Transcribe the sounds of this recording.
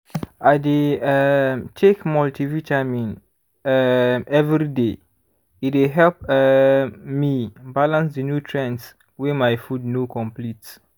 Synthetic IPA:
ajde | tʰekmɔltʰivit͡ʃamĩn | ɛvɹide | it̬wiɦɛlp | mibalãnsdənjutʰɹɛ̃ns | wɛmajfud̚nokʰɔ̃mplits

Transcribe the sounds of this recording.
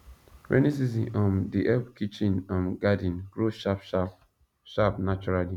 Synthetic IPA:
ɹɛ̰nis̬iz̬ĩnɔ̃mdiʔɛbkit͡ʃĩnãmɡadĩnɡ̥ɾoʃap | ʃapnat͡ʃuɾali

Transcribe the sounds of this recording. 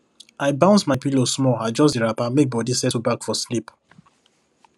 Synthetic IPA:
ʔaɪbãʊ̃nsmaɪpilosmɔaɪd͡ʒɔsdiɹapãnmek̚bɔdisɛtubakfɔslip

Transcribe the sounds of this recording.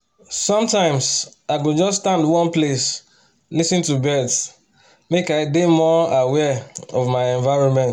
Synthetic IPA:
sɔ̃mtãɪ̃ms | aɪɡod͡ʒɔsːtãndwɔ̃nples | lisĩntubɛt | mekaɪdemɔawɛɔvmaɪɛ̃ɱvaɹɔ̃nmɛ̃nt

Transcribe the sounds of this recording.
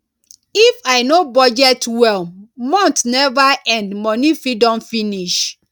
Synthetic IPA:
ifaɪnobɔd͡ʒɛtwɛlmɔ̃ntnɛvaɛ̃ndmɔnifɹidɔ̃mfiniʃ

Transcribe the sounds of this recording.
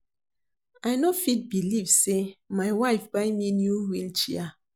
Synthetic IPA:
ajnofit̚bilivsemajwaɪfbaɪminjuwilt͡ʃia

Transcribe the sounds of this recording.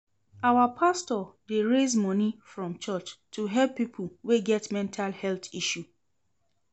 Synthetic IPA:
awapʰastɔdeɹezmɔ̃nifɹɔ̃mt͡ʃɔt͡ʃtʰuɦɛlpːipʰul̩weɡɛtmɛ̃ntʰalhɛltiʃu

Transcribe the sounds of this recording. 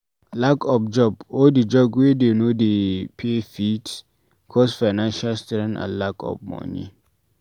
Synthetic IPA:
lakʰɔfd͡ʒɔbɔdid͡ʒɔbwedenodepʰefit | kʰɔsfaɪnãnʃalstɾɛ̃nã̰lakɔ̰vmɔ̰nḭ

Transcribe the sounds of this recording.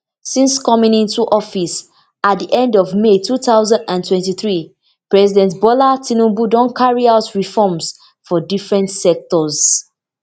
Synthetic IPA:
sĩnskɔmĩŋĩntuʔɔfis | at̚diʔɛ̃ndɔvmetʰuθaʊzãndãntʰwɛ̃ntiθɹi | pɹɛzidɛ̃ntbɔlatʰĩnũbudɔ̃nkʰaɹiaʊtɹifɔms | fɔdifɹɛ̃ntsɛk̚tɔz

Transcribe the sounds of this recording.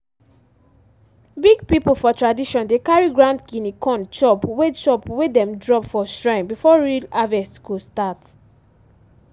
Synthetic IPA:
biɡ̚pipl̩fɔtʰɹadiʃɔ̃ndekaɹiɡɹãndɡĩnikʰɔ̃nt͡ʃɔpwet͡ʃɔpwedɛ̃mdɹɔpfɔstɹãɪ̃mbifɔɹilavɛskustat

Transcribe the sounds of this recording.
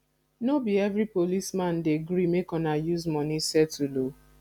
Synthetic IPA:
nobiɛvɹipolismãndeɡɾimekɔ̃najuzmɔnisɛtʰulo

